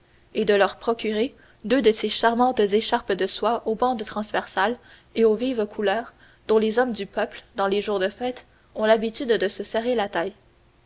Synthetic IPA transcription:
ed̪əlœʁpχɔkʲyʁe | d̪ød̪əseʃaʁmɑ̃t̪zeʃaʁpd̪əswaʔobɑ̃d̪t̪χɑ̃zvɛʁsal | eovivkʰulœːʁ | d̪̥ɔ̃lezɔmd̪ypœpld̪ɑ̃leʒuːʁd̪əfɛːt̪ | ɔ̃labit̪yd̪d̪əsəsɛʁelat̪aj

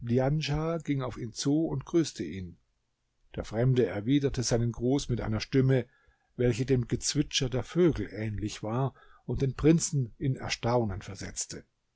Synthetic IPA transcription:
lianʒaːɡ̥ɪŋaʊfiːnt͡suːʊntɡ̥ʁyːstʰəʔiːn | d̥eːɐfʁ̥ɛmdəɛɐviːdɐtəzaɪnənɡʁuːsmɪtʔa̰ɪnɐʃtɪmə | vɛlçədeːmɡət͡sv̥ɪt͡ʃɐdeːɐføːɡl̩ʔɛːnlɪçv̥aːɐ | ʊnt̚d̥eːnpʁ̥ɪnt͡sn̩ɪnɛ̰ɐʃtaʊnənfɛɐzɛt͡stə

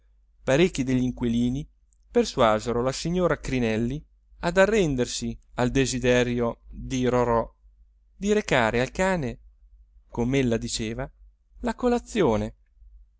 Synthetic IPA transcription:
paɾekːid̪eʎːiŋkweliːni | perswaːzeɾolasiɲːoːɾakɾinɛlːi | ad̪arːɛnd̪ersiald̪ezid̪ɛɾjod̪iɾoɾɔ | d̪iɾekaːɾealkaːne | komelːad̪it͡ʃeːva | lakolat̪sːjoːne

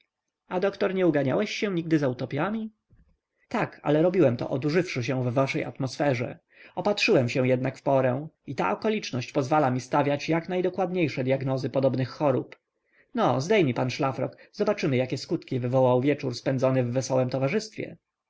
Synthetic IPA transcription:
ad̪ɔkt̪ɔɾɲɛuɡaɲa̰wɛɕːɛ̃ɲiɡ̚d̪ɘzaut̪ɔpʲjamʲi | t̪aka̰lɛɾɔbʲiwɛmt̪ɔ̰ʔɔd̪uʐɘfʂɘɕ̬ɛ̃vːaʂɛja̰t̪mɔsfɛʐɛ̰ | ɔpatʂɘwɛmɕɛw̃jɛd̪nakfpɔɾɛ̃it̪a̰ʔɔkɔlʲit͡ʂnɔɕt͡ɕpɔzvalamʲist̪avʲjat͡ɕjaknajd̪ɔkwad̪ɲejʂɛd̪jaɡnɔzɘpɔd̪ɔbnɘxːɔɾup | nɔzd̪ɛjmʲipanʂlafɾɔ̰kz̥ɔbat͡ʂɘmɘjakʲɛskut̪kʲivɘvɔwawvʲjɛt͡ʂuɾspɛnd̪zɔnɛvːɛsɔwɛmt̪ɔvaʐɘst̪fʲjɛ̰

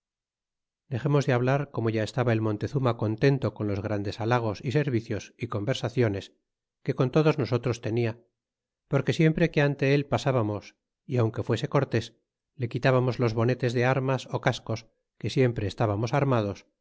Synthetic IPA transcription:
d̪e̞χe̞mo̞zðeaβlaɾko̞mo̞ʝaest̪aβae̞lmont̪e̞θumako̞nt̪e̞nt̪o̞ko̞nlo̞zɣ̞ɾand̪e̞salaɣ̞o̞sise̞ɾβiθjo̞siko̞mbe̞ɾsaθjo̞ne̞s | ke̞ko̞nt̪o̞ðo̞zno̞so̞t̪ɾo̞st̪e̞nia | po̞ɾke̞sje̞mpɾe̞ke̞ant̪e̞elpasaβamo̞s | iawŋke̞fwe̞se̞ko̞ɾt̪e̞s | le̞kit̪aβamo̞zlo̞zβo̞ne̞t̪e̞zðeaɾmaso̞kasko̞s | ke̞sje̞mpɾe̞ːst̪aβamo̞saɾmað̞os

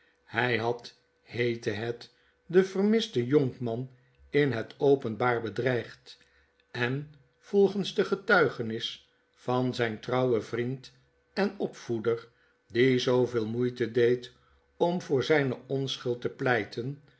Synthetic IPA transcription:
hɛjɦɑt | hejtəɦɛt | dəvərmɪsdəjɔŋkmɑn | ɪnɦətowpənbaːɹbədrɛjχt | ɛn | v̥ɔlˠχənzdəχətœɥχənɪs | fɑnzɛjntrɑwəvrint | ɛnɔpfudər | dizowvɪːlˠmujtədejt | ɔmvʊːɹzɛjnəʔɔnsχʏlˠtəplɛjtən

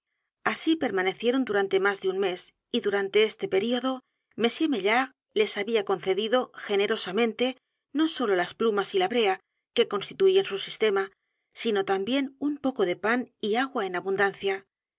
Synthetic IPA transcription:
asipe̞ɾmane̞θje̞ɾo̞nd̪uɾant̪e̞mazðeunme̞s | iðuɾant̪e̞e̞st̪e̞pe̞ɾio̞ðo̞ | me̞sje̞meʎaɣ | le̞saβiako̞nθe̞ðiðo̞xe̞ne̞ɾo̞samẽ̞nt̪e̞ | no̞so̞lo̞lasplumasilaβɾe̞a | ke̞ko̞nst̪i̥t̪uiensusist̪e̞ma | sino̞t̪ambje̞numpo̞ko̞ðe̞paniaɣwaenaβund̪anθja

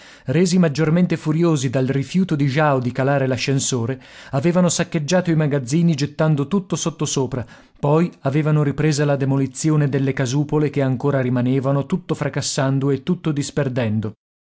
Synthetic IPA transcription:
reːzimad͡ʒːorment̪efuɾjoːzid̪alrifjuːt̪od̪iʒawd̪ikalaːɾelaʃːensoːɾeaveːvanosakːed͡ʒːaːt̪oimaɡad̪zːiːnid͡ʒet̪ːand̪ot̪ut̪ːosot̪ːosoːpɾa | pɔjaveːvanoɾipɾeːzalad̪emolit̪sːjoːned̪elːekazuːpolekeaŋkoːɾaɾimaneːvanot̪ut̪ːofɾakasːand̪oet̪ːut̪ːod̪isperd̪ɛnd̪o

